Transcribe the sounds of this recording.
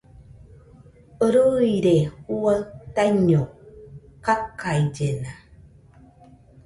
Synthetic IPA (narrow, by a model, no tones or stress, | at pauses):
əɾuiɾehuat̪aɲo | kakːajd͡ʒena